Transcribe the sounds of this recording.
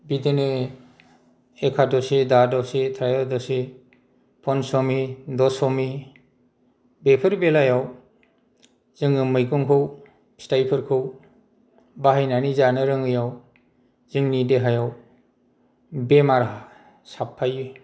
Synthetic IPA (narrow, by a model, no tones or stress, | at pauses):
bidene | ekʰadɔsedadɔsetʰɾajɔdɔse | pʰɔnsɔmidɔsɔmi | bepʰɯɾbelajaw | zɯŋɯmɯjkɔŋkʰɯw | stajpʰɯɾkʰɯw | baɦajnanizanɯɾɯŋɯjaw | zɯŋnideɦajaw | bemaɾa | sapʰːajɯ